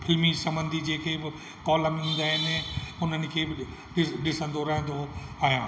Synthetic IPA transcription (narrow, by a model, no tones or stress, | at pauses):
fɪlmisɐ̃mbə̃nd̪ʱid͡ʑeːkʰeːbɪ | kɔːləm̃ɦũːnd̪aːɦɪnʊn̤ənɪ̆kʰeːbɪ | ɪɗɪsə̃nd̪oɾɐɦə̃nd̪oaːɦjãː